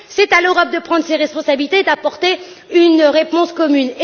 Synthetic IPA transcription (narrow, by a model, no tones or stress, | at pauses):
sɛt̪aløʁɔp̚d̪əpχɑ̃d̪ʁəseʁɛspɔ̃sabilit̪eːd̪apɔʁt̪e | ynʁepɔ̃skɔmyne